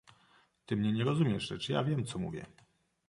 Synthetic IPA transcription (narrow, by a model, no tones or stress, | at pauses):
t̪ɘmɲɛɲɛɾɔzumʲjɛʐʐɛt͡ʂja̰vʲjɛmt̪sɔmṵvʲjɛ̰